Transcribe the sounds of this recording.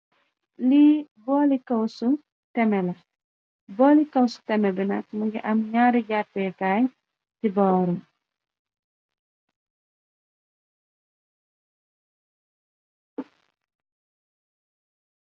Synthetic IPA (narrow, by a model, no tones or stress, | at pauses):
libɔːlikɐwsu | tɛmɛlɐ | bɔːlikɐwsu̥tɛmɛbinɐk̚muɡiʔɐmɲaːɾiɟat̚pɛkaːj | tibɔːɾɔm